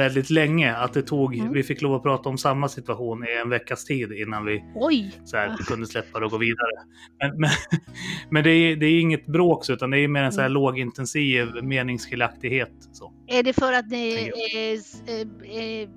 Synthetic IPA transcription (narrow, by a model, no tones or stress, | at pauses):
ɛld̪ɪt̪lɛŋːəat̪̚d̪ɛt̪ʰuːɡvɪfɪkːloːvɔpʰɾɑːt̪aɔmsamːasɪt̪ʉaɧuːnɪɛnvɛkːast̪ʰiːd̪ɪnːanvɪɔjsɔæːɾkʰɵnd̪əslɛpːad̪ɛɔɡoːviːd̪aɾə | mɛnmɛn | mɛnd̪ɛæd̪ɛæjɪŋːət̪bɾoːksɔʉ̟ːt̪and̪ɛæjɵmeːɾɛnsɔhæːɭoːɡɪnt̪ɛnsiːvmeːnɪŋsfɪlak̚t̪ɪɡheːt̪ | soː | æɖɛfœɾat̪nɪ